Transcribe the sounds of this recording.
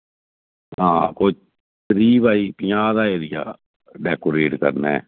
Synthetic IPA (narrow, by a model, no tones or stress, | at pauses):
ɦãːkoːi | t̪əɾiːbaːiːpɪjaːd̪aːeːɾɪja̰ː | ɖɛːkoːɾeːʈkə̰ɾnɛ̰ː